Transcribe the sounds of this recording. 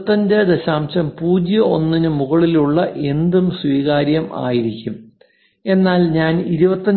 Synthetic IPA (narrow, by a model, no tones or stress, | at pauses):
t̪ːɐndɐd̪ɐɕaːmɕɐmpuːd͡ʑjɐo̞nːinɨmuɣɐɭiluɭːɐʔe̞nd̪umswiːɣaːɾjɐma̰ːjiɾikʲːum | e̞nːaːlɲaːniɾubɐt̪ːɐ